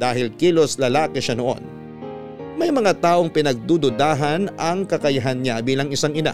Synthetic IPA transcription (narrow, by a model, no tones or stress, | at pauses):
d̪̥aːɦɪlkiːlo̞slɐlaːkɛʃanoʔo̞̰n | mɐjmɐŋat̪aːʔoŋpɪnɐɡ̚d̪ud̪ʊd̪aːɦɐnɐŋkɐkɐjɐɦanːɲabiːlɐŋɪsaŋɪna̰